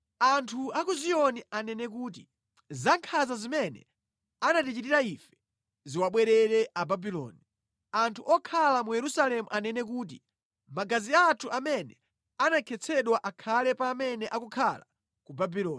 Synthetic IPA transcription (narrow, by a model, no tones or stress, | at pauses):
antʰuakuziɔnianɛnɛk̬uːt̬i | zaŋkʰazazimɛnɛ̰ | anatit͡ʃitiɾaifɛ̥ | ziwaɓwɛɾɛɾɛʔababilɔ̰ːni | antʰuʔɔkʰalamujɛɾusalɛmuʔanɛnɛk̬uːt̬i | maɡaziatʰuʔamɛnɛ | anakʰɛt͡sʰɛɗwaʔakʰalɛpaːmɛnɛʔakukʰala | kubabilɔːn